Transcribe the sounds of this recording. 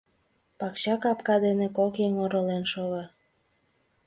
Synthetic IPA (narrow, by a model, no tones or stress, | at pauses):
pɑkɕɑkɑpkɑd̪enekokeŋoɾolenʃoɣɑ